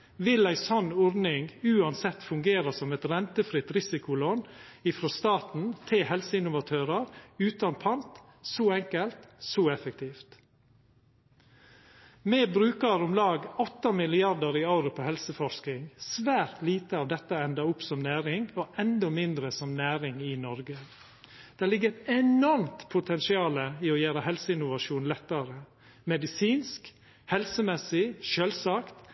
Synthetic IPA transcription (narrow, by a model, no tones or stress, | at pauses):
ʋɪlæɪsɔnːɔɾnɪŋʉːɑnsɛt̪ːfʉŋɡeːɾɑsɔmɛt̪ɾɛnt̪əfɾɪt̪ɾɪsɪkʊloːnɪfɾɔːst̪ɑːt̪n̩t̪ʰɪhɛlsəɪnʊʋɑt̪ʰøːɾəɾʉːt̪ɑnpʰɑnt̪ | soːɛŋkəlt̪soːɛfək̚t̪ʰiːft̪ | meːbɾʉːkəɾɔmlɑːɡɔt̪ːɑmɪlɪɑɾd̪əɾiɑʊɾʊpʰoːhɛlsəfɔʃknɪŋsʋæːɾt̪liːt̪əɑːʋd̪ɛt̪ːəɛnd̪ɑʊpsɔmnæːɾɪŋoʔɛnd̪ɔmɪnd̪ɾəsɔmnæːɾɪŋɪnɔɾɡə | d̪̥æːlɪɡːəɾɛnɔɾmt̪pʰʊt̪ʰɛnsɪɑːləiɔjæːɾəhɛlsəɪnʊʋɑʃuːnlɛt̪ːəɾə | mɛd̪ɪsiːnsk | hɛlsəmɛsɪʃøːlsɑːkt̪